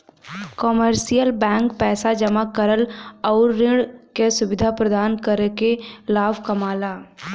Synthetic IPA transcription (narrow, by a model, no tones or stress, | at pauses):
kɔməɾsijəlbɛ̃ːŋkpɛːsad͡ʒəmakəɾəlɔːɾːɪ̃ɽkesʊʋɪd̪ʱapɾəd̪aːnkəɾekelaːbʱkɐmaːlaː